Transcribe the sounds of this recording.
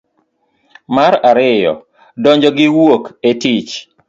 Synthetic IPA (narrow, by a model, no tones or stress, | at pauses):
maɾaɾɪjɔ̰ | dɔɲd͡ʒɔɡɪwoketit͡ʃ